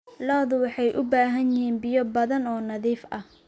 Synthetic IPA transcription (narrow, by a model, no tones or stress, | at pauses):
lɔðʊwɑħɑjʔʊbaːɦɐnjɪhiːnbɪjɔbɐðɐnɔːnɐðiːfɐh